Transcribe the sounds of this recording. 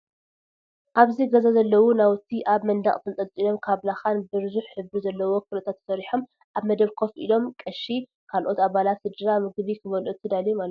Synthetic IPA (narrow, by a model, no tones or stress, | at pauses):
ʔaβziɡɐzazɐlːɐwunawt̪ʰːiʔaβmɐnd̪a̰χʼfɨnt͡sʼɐt͡sʼilo̞mkʰaβlaxanbɨɾɨzuħːɨbɾizɐlːɐwo̞kʰɨlɐt̪ʰat̪ʰːsɐɾiħom | ʔaβmɐd̪ɐβkʰo̞fʔḭlo̞mkʼɐʃi | kʰalʔo̞t̪aβalat̪sɨd̪ɨɾamɨɡβikʰɨβɐlʔut̪ʰɨd̪alimal